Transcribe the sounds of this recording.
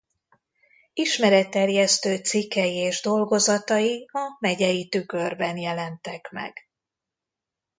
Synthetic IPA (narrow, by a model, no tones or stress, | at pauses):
iʃmɛɾɛt̪ːɛrjɛst̪øːt̪sikːɛjieːʒd̪o̞lɡo̞zɒt̪ɒjiɒmɛɟɛjit̪ykø̞rbɛnjɛlɛnt̪ɛkmɛ̰ɡ̥